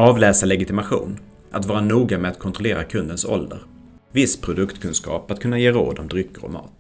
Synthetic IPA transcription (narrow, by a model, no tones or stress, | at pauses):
ɑːvlɛːsalɛɡɪt̪ɪmaɧṵːn | ʔat̪vɑːɾanuːɡamɛat̪̚kʰɔnt̪ɾɔleːɾakʰɵnd̪ənsɔ̰ld̪ə̰ɾ | vɪspʰɾʊd̪ɵkt̪kʰɵnskɑ̰ːpat̪̚kʰɵnːajeːɾo̰ːd̪ɔmd̪ɾʏkːəɾɔ̰mɑ̰ːt̪